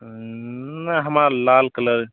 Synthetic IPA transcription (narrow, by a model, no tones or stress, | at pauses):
naɦəmaɾlalkələd̪